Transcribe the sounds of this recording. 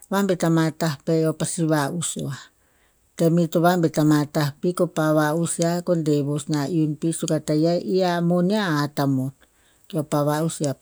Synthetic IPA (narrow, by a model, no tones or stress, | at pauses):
βambet̪amat̪ahpeopasiβausoa | t̪emit̪oβambet̪amat̪ahpikopaβausiakondeβosnaʔiunpisukat̪ajaʔiamoniaat̪amon | keopaβausia